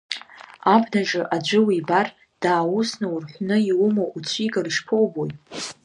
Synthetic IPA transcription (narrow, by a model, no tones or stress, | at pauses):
abnaʒɨʔad͡ʒʷɨwibar | d̥aːwusnawurħʷnɨiwʊmoʔut͡sʷʰiɡariʂpʰowbojt